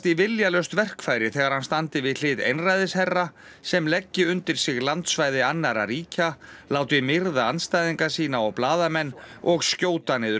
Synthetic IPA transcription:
t̪ivɪljalœɥst̪vɛr̥kfaːjɾɪθɛːɣaɾ̥hanst̪ant̪ɪvɪðl̥ɪːðḛjnrajðɪshɛrːa | sɛmlɛcːɪʏnt̪ɪɾ̥sɪɣlant̪svaːjðɪanːaɾa̰ɾiːcalaːwt̪ɪmɪɾðaanst̪ajðiŋkasiːnaɔɣplaːðamɛnː | ɔɣscoːwt̪anɪːðʏ

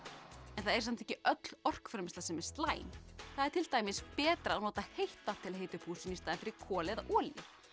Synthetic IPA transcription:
ɛnθaðɛɾsɛm̥t̪ɛhcːɪʔœt̪l̥ɔr̥kfɾɛmst̪ḁsɛmɛɾ̥st̪laːjnθaðɛɾt̪ʰɪlt̪aːjmɪspɛːt̪ɾaːwnɔːt̪ahejht̪at̪ʰɪlɦeːjt̪ʏpʰuːsɪnist̪aːðɪnfɪɾɪɾkʰɔːlɪðaʔɔːljɪ

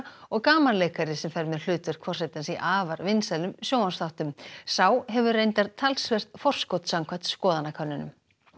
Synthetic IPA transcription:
ɔɣkaːmanlejkaɾɪsɛmfɛɾmɛðl̥ʏːt̪ʏɾ̥kʰvɔr̥sajt̪ansiʔaːvaɾvɪnsɛlʏmsjoːwanst̪awht̪ʏmsawɦɛvʏrejnt̪aɾt̪ʰːalsvɛr̥t̪̚fɔr̥skɔwt̪saŋkʰat̪skɔːðanakʰœnːʏnʏ̰m

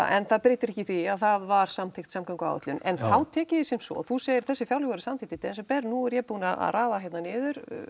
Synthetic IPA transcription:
a̰ʔɛnθaðpɾeːt̪ɪɾɪhcːɪθviaðθaðvaɾ̥samt̪ʰɪxt̪samkʰaŋkʏa̰wɛ̰t̪lʏnʔɛ̰nhawt̪ʰɛːcɪðɪsɪnsɔ̰θuseːjɪɾ̥θɛsːɪfjawlɛɣaɾɪsamt̪it̪ɪt̪ʰɪɛns̬ɛmpɛɾnuɛɾjɛpuːnaða̰ðraːðaɦjɛt̪nanɪːðʏɾ̥

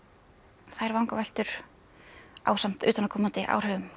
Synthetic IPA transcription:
θajɾvawŋkavajl̥t̪ʏɾ̥ | a̰ːwsan̥t̪ʏ̰ːt̪anːakʰɔmant̪ɪʔa̰w̥hœːɣʏm

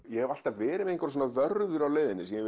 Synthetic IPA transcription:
jɛhɛval̥t̪avɛːɾɪmeŋkvɾ̥s̬ɔnaðœɾðʏɾawleːjðɪnɪsjɛ

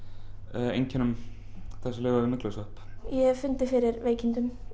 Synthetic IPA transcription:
ḛjɲcɛnʏm | θɛsɪlɪːɣaðɪmɪkləsœhpjɛfʏnt̪ɪfɪɾɪɾveːjcɪnt̪ʏm

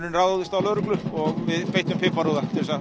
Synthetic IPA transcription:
nɪnraːwðaðɪst̪awlœːɾʏklʏhpɔɣvɪðpeːjht̪ʏmfɪmpaɾoðat̪ʰɪɾɪsa

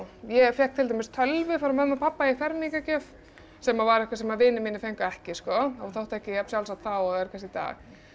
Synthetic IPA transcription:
jɛfjɛhk̚t̪ʰɪlt̪̬amɪst̪ʰœlvʏfaɾʏmɛðmːapʰapːaifɛɾmikacœf | sɛmavaɾɛhkvasɛmavɪːnɪmɪːnːɪfejŋkʏɛhcɪskɔɔθowht̪ɛhcɪjapsjawlsat̪θawɔɣɛɾ̥kʰas̬ɪt̪a̰ːɣ

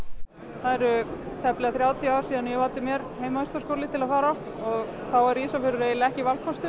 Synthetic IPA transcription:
θaðɛɾʏ | t̪ʰɛplɪɣaθɾjaːwt̪ʰiaːwɾ̥siːðanjɛvalt̪ɪmjɛɾheːjmaast̪askowlɪt̪ʰɪlaðfaːɾa | ɔɣθawɛɾiːsafɪɾʏɾejlɪɛhcɪvalkʰɔst̪ʏ

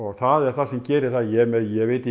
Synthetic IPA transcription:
ɔɣθaðɛɾ̥θaðsɛmcɛːɾɪθaðjɛmɛðjɛɣveːjt̪ɪ

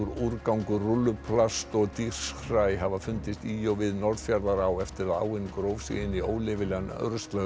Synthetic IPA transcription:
ɾuɾkawŋkʏrʊlːʏpʰlast̪ɔɣt̪ir̥srajɦavafʏnt̪ɪst̪iɔɣvɪðnɔɾð̥fjaɾðaɾawɛft̪ɪɾaða̰ːwɪnkɾowvsḭɣɪnio̰ːwlɪvɪlɛanœ̰ɾst̪lœ

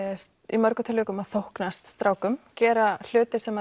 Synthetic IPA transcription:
s | imœɾkʏt̪ʰɪlːʏːkʏmaðθowhknast̪st̪ɾaːwkʏmcɛːɾal̥ʏːt̪ɪsɛmːa

